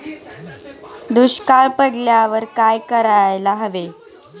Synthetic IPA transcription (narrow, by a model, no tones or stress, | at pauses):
d̪uɕkaɭpədljaʋəɾkajkəɾajlaɦəʋe